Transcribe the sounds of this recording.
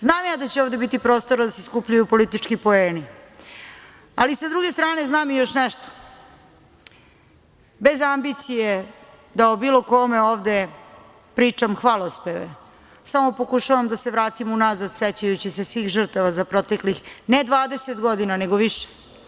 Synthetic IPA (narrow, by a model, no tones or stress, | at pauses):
znaːmjad̪at͡ɕeoːvd̪e̞bit̪ipɾo̞ːst̪o̞ɾad̪aseskupʎujupo̞lit̪it͡ʂkipo̞eːni | alisad̪ɾuɡe̞st̪ɾaːne̞znaːmijo̞ʃnɛʃt̪o̥ | be̞zambit̪sije | d̪aobiːlo̞ko̞meoːʋd̪e̞ | pɾiːt͡ʂamxʋalˠospeʋḛ | samo̞pokuʃaʋamd̪aseʋɾaːt̪imunazad̪set͡ɕajut͡ɕise̞sʋiːxʒr̩t̪aʋazapɾo̞t̪e̞klixned̪ʋaːd̪eset̪ɡo̞d̪inaneɡoʋiʃe̥